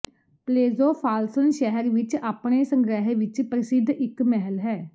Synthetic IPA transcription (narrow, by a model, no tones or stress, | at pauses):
pleːzoːpʰaːlsənʃɛɦəɾʋɪt͡ʃaːpɳ̃eːsəŋɡɾɛːɦeːʋɪt͡ʃpɾəsɪd̪ʱɪkmɛɦəlɦɛː